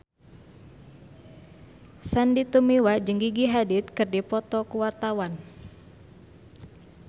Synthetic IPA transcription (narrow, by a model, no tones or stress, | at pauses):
sandit̪umiwad͡ʒəŋɡiɡiɦadɪt̪̚kɨrdipɔt̪ɔkuwart̪awan